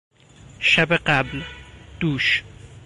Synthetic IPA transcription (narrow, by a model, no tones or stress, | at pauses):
ʃabeqablt̪uːʃ